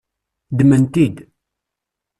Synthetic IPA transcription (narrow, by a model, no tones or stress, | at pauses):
d̪mənt̪id̪